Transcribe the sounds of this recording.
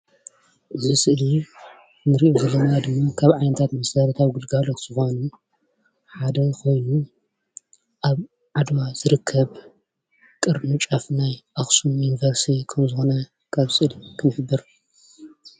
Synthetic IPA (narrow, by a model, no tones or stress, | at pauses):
ʔɨzisʼɨʔli | nɨɾiʔozɐlːɐnad̪ɨmːakʰaβʕajnɐt̪ʰat̪mɐsɐɾɐt̪ʰawɡɨlɡalot̪z̥ɨxo̞nu | ħad̪ɐkʰo̞jnu | ʔaβ | ʕad̪mazɨɾɨkʰːɐβ | kʼɨɾmɨt͡ʃʼɐfnajʔaxsujunivɐɾst̪ʰikʰɐmzɨxonɐ | kʰaβsʼɨʔlikʰɨnɨħbːɨɾ